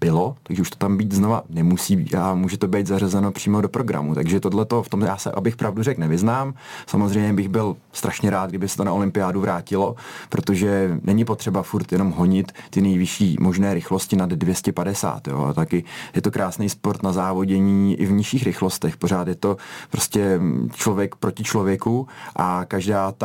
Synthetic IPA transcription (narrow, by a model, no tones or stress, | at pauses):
b̥ɪlo̞t̪aɡʒɛuʃt̪o̥t̪ambiːt̪zno̞va̰nɛmusiːbiamuːʒɛt̪o̞bɛjt̪zarazɛno̞pr̥iːmo̞do̞pɾo̞ɡɾa̰mut̪aɡʒɛt̪odlɛt̪o̞ft̪omjaːsɛ̰ʔa̰bɪxpɾʔavdurɛknɛvɪznaːmsa̰mo̞zrɛjmɲɛbɪɣbɪl | st̪ɾʔaʃɲɛɾaːd̪ɡ̚dɪbɪsɛ̥t̪onaolɪmpɪjaːduvɾʔaːcɪlo̞pɾo̞t̪oʒɛnɛɲɪpot̪r̥ɛbafuɾt̪jɛno̞mɦo̞ɲɪt̪ːɪnɛjvɪʃiːmo̞ʒnɛːɾɪxlo̞scɪnadːvjɛscɛpadɛsa̰ːt̪jo̞̰ːa̰t̪akɪjɛt̪o̞kɾʔaːsnɛjspoɾt̪nazaːvo̞ɟɛɲiːʔɪ̰vɲɪʃiːxɾɪxlo̞st̪ɛxpoɾ̝aːt̪jɛt̪o̞pɾo̞scɛt͡ʃlo̞vjɛkpɾo̞cɪt͡ʃlo̞vjɛkuʔakaʒdaːt̪